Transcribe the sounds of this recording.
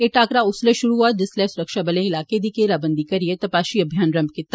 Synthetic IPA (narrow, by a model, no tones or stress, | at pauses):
eːʈaːkɾaʊsleʃʊɾuɦad̪ɪslɛsʊɾəkʃabɐlẽɪlaːked̪ikeɾaːbə̃nd̪ʱikɐɾijet̪ɐpaːʃiɐbʱjaːnɾɐmb̚kɪt̪ːa